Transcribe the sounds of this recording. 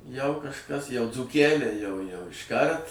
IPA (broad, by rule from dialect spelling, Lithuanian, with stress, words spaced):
jɛʊ kɐʃˈkɐs jɛʊ d͡zuːˈkʲælʲɛɪ jɛʊ jɛʊ ɪʃˈkɐrt